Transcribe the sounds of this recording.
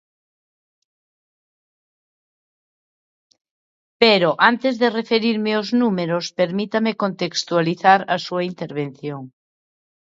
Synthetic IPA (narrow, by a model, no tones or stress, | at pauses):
peɾoʔant̪ezðerefeɾiɾmeoznumeɾospeɾmit̪amekont̪ekst̪ualiθaɾɐsuaint̪eɾβ̞en̟θjoŋ